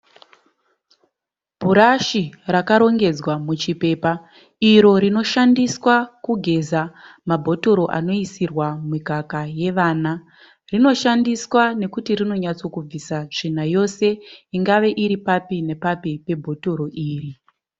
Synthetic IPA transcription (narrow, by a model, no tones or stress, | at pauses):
b̥ʱuɾaʃirakaɾo̞ŋɡe̞d͡zwamut͡ʃipe̞ːpa | iɾo̞ɾino̞ʃandiswakuɡʱe̞zamabʱo̞to̞ɾo̞ʔa̰no̞isirwamwikakaje̞ʋaːna | rino̞ʃandiswane̞kutirino̞ɲat͡so̞kub͡visaʐ̥in̤ajo̞se̞iŋɡaʋe̞ʔiɾipapine̞papipe̞bʱo̞to̞ɾo̞ʔiːri